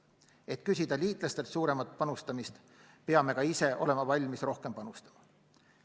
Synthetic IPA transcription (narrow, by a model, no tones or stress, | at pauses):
e̞t̪kysʲid̪̥ɑlʲiːt̪ˑlɑst̪e̞lt̪suːɾe̞mɑt̪̚pɑnust̪ɑmist̪ | pe̞ɑme̞kɑise̞ʔo̞le̞mɑvɑlʲmisro̞hke̞mpɑnust̪ɑ̥mɑ